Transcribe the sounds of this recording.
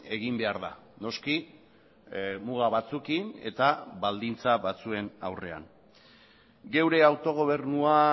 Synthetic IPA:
e̞ɣimbe̞aɾða̰no̞ski | muɣaβat͡sukine̞̰t̪aβald̪int͡saβat͡sue̞nawre̞a̰n | ɡe̞wɾe̞awt̪o̞ɣ̞o̞β̞e̞ɾnua

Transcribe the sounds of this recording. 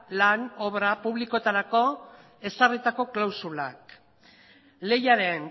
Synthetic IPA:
lano̞βɾapuβ̞liko̞t̪aɾako̞ | e̞sarit̪ako̞klawsulak | le̞jaɾe̞n

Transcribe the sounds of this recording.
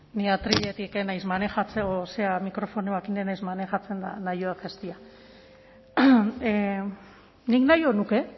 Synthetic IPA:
niat̪ɾiʎet̪ikenajzmane̞xat͡seoseamikɾo̞fo̞neakinenajzmane̞xat͡se̞nd̪a̰najoakest̪ia | niknajo̞nuke̞

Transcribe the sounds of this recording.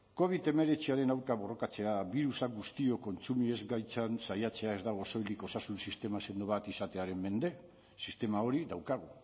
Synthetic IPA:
ko̞β̞it̪e̞me̞ɾe̞t͡siaɾe̞nawɾkaβo̞ro̞kat͡se̞aβiɾusaɡust̪io̞ko̞nt͡sumiezɡajt͡sansajat͡se̞ae̞zd̪aɣ̞o̞so̞jld̪iko̞sasunsist̪e̞mase̞nd̪uβat̪isat̪e̞aɾe̞mme̞nd̪e̞ | sist̪e̞mao̞ɾiðawkaɣ̞u

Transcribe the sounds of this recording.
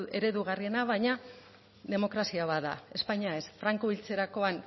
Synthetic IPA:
e̞ɾe̞ðuɣ̞arie̞naβajɲa | ðe̞mo̞kɾasiaβaða̰e̞spaɲae̞sfɾaŋkoβilt͡se̞ɾako̞an

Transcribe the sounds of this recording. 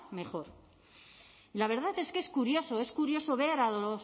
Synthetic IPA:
me̞χo̞ɾ | ilaβ̞e̞ɾð̞aθeske̞skuɾjo̞so̞e̞skuɾjo̞so̞βe̞ɾaðolos

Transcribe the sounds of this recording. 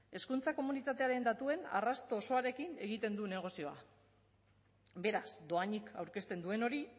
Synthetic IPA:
e̞skunt͡sako̞munit̪at̪e̞aɾe̞nd̪at̪ue̞na̰rast̪o̞ːso̞aɾe̞kine̞ɣ̞it̪e̞nd̪une̞ɣ̞o̞sio̞a̰ | be̞ɾasd̪o̞aɲikawɾke̞st̪e̞nd̪ue̞no̞ɾi

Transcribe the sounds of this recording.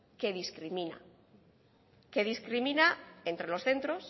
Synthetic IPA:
ke̞ðiskɾimĩna̰ | ke̞ðiskɾimĩnae̞nt̪ɾe̞lo̞sθe̞nt̪ɾo̞s

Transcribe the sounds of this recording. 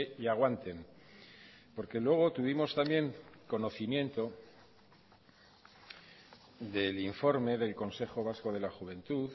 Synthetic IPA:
iaɣ̞want̪e̞m | po̞ɾke̞lwe̞ɣ̞o̞t̪uβ̞imo̞st̪ambje̞ŋko̞no̞θimjẽ̞nt̪o̞ | d̪e̞liɱfo̞ɾme̞ðe̞lko̞nse̞χo̞β̞asko̞ð̞e̞laxuβe̞nt̪uθ

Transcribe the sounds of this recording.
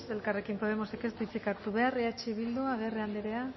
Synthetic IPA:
se̞lkare̞kimpo̞ð̞e̞mo̞seke̞zd̪it͡sikaɾt̪uβe̞areat͡ʃiβild̪uaɣ̞e̞reand̪eɾe̞a

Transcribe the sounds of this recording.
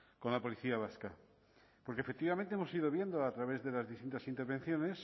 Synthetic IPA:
ko̞nlapoliθiaβ̞aska | poɾkefek̚t̪iβamẽnt̪eemosiðo̞β̞je̞nd̪oat̪ɾaβe̞zðe̞lazðist̪int̪asint̪eɾβ̞e̞n̟θjo̞ne̞s

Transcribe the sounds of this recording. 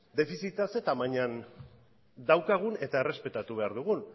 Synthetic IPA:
d̪e̞fisit̪ase̞t̪amaɲan | d̪awkaɣ̞une̞t̪aere̞spe̞t̪at̪uβ̞eaɾðuɣ̞un

